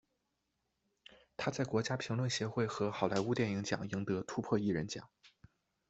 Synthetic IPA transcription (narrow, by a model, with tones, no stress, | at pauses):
t̪ʰa˥t͡sa˥˩ɪkwɔ˧˥t͡ɕja˥pʰi˧˥ŋlwə˥˩nɕjɛ˧˥xwe˥˩ɪxɤ˧˥xɑ˨˩ʊla˧˥ɪu˥t̪jɛ˥˩ni˧˥ŋt͡ɕjɑ̰˨˩ŋi˧˥ŋt̪ɤ˧˥t̪ʰu˥pʰwɔ˥˧i˥˩ɻə˧˥nt͡ɕjɑ̰˨˩˦ŋ